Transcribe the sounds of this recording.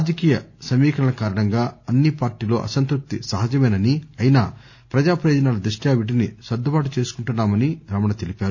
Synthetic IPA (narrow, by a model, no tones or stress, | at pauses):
aːd͡ʒɐkiːjɐsɐmiːkʰɐɳɐlɐkaːɾɐɳɐŋɡaːɐnːipaːɾʈiːloːʔɐ̰sɐnt̪ɾuk̚t̪isɐɦɐd͡ʒɐmeːnɐniɐjinaː | pɾɐd͡ʒaːpɾɐjoːd͡ʒɐnaːlɐd̪ɾuʂʈjaːʋiʈ̬inisɐd̪ʱubaːʈ̬ut͡ʃe̞ːsu̥kuɳʈunːaːmɐniɾɐmɐɳɐt̪e̞lipaːɾu